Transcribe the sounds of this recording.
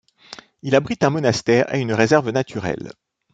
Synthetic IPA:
ilabʁit̪ɛ̃mɔnast̪ɛːʁḛynʁezɛʁvənat̪ʰyʁɛ̰l

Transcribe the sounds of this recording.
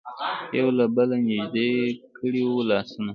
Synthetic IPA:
jawlabəlanɪʒd̪ekʰəɽiwulɑsuna

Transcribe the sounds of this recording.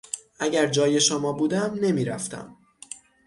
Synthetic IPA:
ʔæɟæɾd͡ʒɒːje̞ʃomɒːbuːd̪æmne̞miːɾæft̪æ̰m

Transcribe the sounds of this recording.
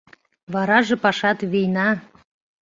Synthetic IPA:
βɑɾɑʒɤ̆pɑʃɑt̪βijnɑ

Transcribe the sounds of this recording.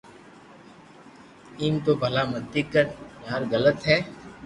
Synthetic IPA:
iːmt̪oːbʱəlaːməd̪ɪkːəɾnaːɾɣələt̪ɦɛː

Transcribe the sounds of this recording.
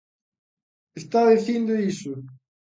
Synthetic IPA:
est̪aðiθind̪ʊisʊ

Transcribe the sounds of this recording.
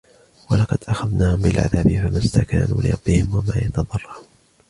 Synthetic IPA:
walɑqɑd̪̥ʔaxaðnaːhʊmbɪlʕa̰ðaːbɪfamast̪aka̰ːnṵːlɪ̰ɾˤɑbːɪhɪmwamaːjɑt̪ɑðˤɑrˤːɑɾuːn

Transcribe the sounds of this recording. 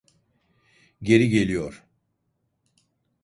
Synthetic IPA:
ɟe̞ɾiɟe̞lʲijoɾ̥

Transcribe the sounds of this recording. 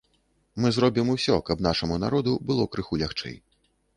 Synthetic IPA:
mɨzɾɔbʲimusʲɔkɐbnaʂɐmunaɾɔd̪ubɨlˠɔkɾɨxulʲaxt͡ʂɛ̰j

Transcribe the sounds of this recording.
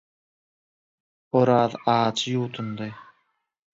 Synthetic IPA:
oɾɑːðɑːt͡ʃʰɯjuːt̪ʰund̪ɯ

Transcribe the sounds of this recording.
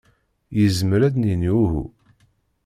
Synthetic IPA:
jəzməɾæd̪niniuɦṵ

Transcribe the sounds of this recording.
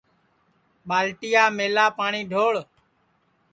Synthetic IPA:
ɓaːlʈ̪ɪjaːmeːlaːpaːɳiːɖʱoːɭ

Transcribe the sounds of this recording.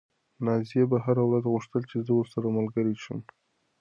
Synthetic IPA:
nɑzijebaɦaɾawɾazɣʊʂt̪əlt͡ʃezəwoɾsaɾamalɡəɾiʃəm

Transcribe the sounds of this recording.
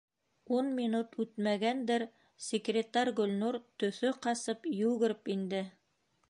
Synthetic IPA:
unmʲinut̪ʉt̪mæɡænd̪ɘɾ | sʲɪkrʲɪt̪ɑɾʲɡɵ̆lnuɾt̪ɵ̆θɵqɑsɤpjɵwɡɘ̆ɾpind̪ɘ

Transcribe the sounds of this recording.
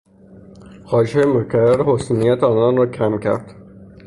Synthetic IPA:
hɒːʃejemocʰæɾæɾehosunijæt̪ʰeɒːnɒnrɒːcʰæmcʰæ̰ɾd̪̥

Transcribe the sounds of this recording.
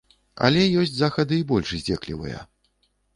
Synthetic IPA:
ɐ̰lʲɛjɔsʲt͡sʲzaxɐd̪ɨibɔlʲʂzʲd͡zʲɛklʲḭvɨ̰jɐ̰

